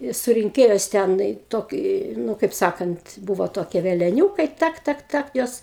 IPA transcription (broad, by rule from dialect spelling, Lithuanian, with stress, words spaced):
ɪ sʊrʲɪŋʲˈkʲeːjoːs ˈtʲɛn ɪ ˈtoːkʲɪ ˈnʊ kɐɪp ˈsɑːkɐnt ˈbuːʋoː ˈtoːkʲiɛ ʋʲɛlʲɛˈnʲuːkɐɪ ˈtɐk ˈtɐk ˈtɐk ˈjoːs